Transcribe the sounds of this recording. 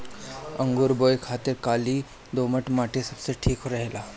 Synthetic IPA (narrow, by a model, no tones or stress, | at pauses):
əŋɡuɾboːjkʰaːt̪ɪɾkaːliː | d̪oːməʈmaːʈesɐbseʈʰiːkɦoɾɐɦelaː